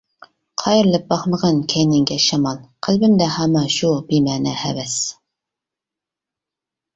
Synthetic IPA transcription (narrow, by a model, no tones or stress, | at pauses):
qʰɑjɪɾlɪp̚bɑχməʁɑnkʲʰɛjnɪŋɡʲɛʃɑmɑlˠqʰælbɪmd̪ɛhɑmːɑʃubimæːnɛ̰hɛ̰vɛs